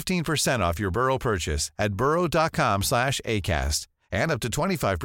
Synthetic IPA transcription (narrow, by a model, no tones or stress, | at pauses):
ftĩnpʰə˞sɛ̃ɾ̃ɔfjə˞bɜ˞oʊpʰɜ˞t͡ʃɨ̰sɨt̚b̥ɜ˞oʊdɑt̚kʰɑ̃mslæʃḛɪkʰæ̰st | ɨ̃nʌp̚tɨtʰw̥ɛ̃ɾ̃ifaɪv̥pʰ